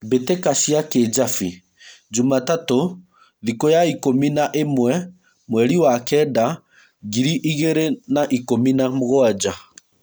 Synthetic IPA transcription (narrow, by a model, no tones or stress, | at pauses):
betekaʃiaked͡ʒafi | d͡ʒumatato | ðikojaikominaʔemwɛ | mwɛɾiwakɛda | ɣiɾiʔiɣeɾenaʔikominamoɣoad͡ʒa